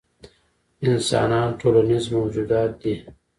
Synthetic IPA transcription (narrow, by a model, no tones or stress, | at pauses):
ɪnsɑ̰ːnɑːnʈʰoːlanizmowd͡ʑuːd̪ɑːt̪̚d̪i